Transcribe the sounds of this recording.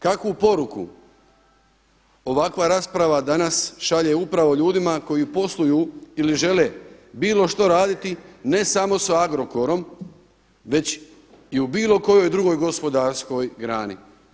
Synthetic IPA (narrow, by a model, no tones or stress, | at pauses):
kakʋupo̞ɾukṵ | o̞ʋakʋaɾaːspɾaʋad̪anasʃaʎeupɾaʋo̞ʎuːd̪imako̞jipo̞slˠujuiliʒe̞le̞biːlo̞ʃt̪oɾaːd̪it̪ine̞samo̞saaɡɾo̞ko̞ɾo̞m | ʋe̞t͡ɕ | iubiːlˠo̞ko̞jo̞jd̪ɾuɡo̞jɡo̞spo̞d̪aɾsko̞jɡɾaːni